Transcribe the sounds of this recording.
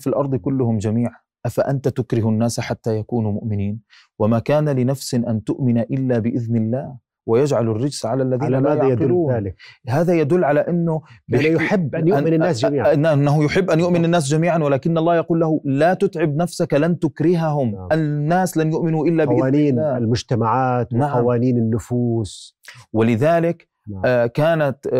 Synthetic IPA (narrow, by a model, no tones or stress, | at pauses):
filʔɑɾˤd̪ˤkʊlːʊhʊmd͡ʒamiːʕa | ʔafaʔant̪at̪ʊkɾɪɦnːaːsħat̪ːajakuːnumʊʔmɪniːn | wamaːkaːnalɪnafsɪʔant̪ʊʔmɪnaʔɪlːabɪʔɪðnɪlːaːh | wajad͡ʒʕalarːɪd͡ʒsʕalalːaðiːamaːjaʕɪlluːhaːðajad̪ʊlːʕalaʔɪnːʊbɪjʊħɪbːʔnjaɪnɪnːaːsd͡ʒiːɪnnːaɦʊjʊħɪbːʔanjʊʔmɪnɪnːaːs̬d͡ʒamiːʕanwɪlaːkɪnːʔɑlˤːɑːhjɑquːlːahʊlat̪ʊt̪ʕɪbnafsaklant̪ʊkɾɪɦaɦʊmʔanːaːslanjʊʔmɪnuʔɪlːabɪɪːniːnːaːɪlmʊd͡ʒt̪amaʕaːt̪naʕaamwaːniːnɪnːʊfuːs | wɪlɪðaːlɪk | kːaːnat̪